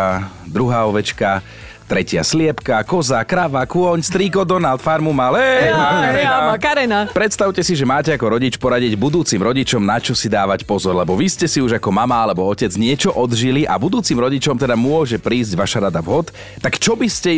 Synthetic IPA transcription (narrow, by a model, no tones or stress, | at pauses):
d̪ɾuɦaːɔʋɛt͡ʃka | t̪ɾɛcɪa̰slɪɛpkakɔzakɾaʋakʊɔɲst̪ɾiːkɔd̪ɔnalt̪faɾmumalɛ | akaɾɛnapɾɛt̪st̪aʊcɛsiʒɛmaːcɛakɔɾɔɟit͡ʃpɔɾaɟiɟbud̪uːt͡simɾɔɟit͡ʃɔmnat͡ʃɔsid̪aːʋacpɔzɔɾlɛbɔʋiscɛsiuʒakɔmamaalɛbɔɔcɛd͡zɲɪɛt͡ʃɔʔɔd̪ʒiliʔa̰bud̪uːt͡simɾɔɟit͡ʃɔmt̪ɛd̪amʊɔʒɛpɾiːzɟʋaʃaɾad̪aʋɦɔt̪ː | akt͡ʃɔbiscɛ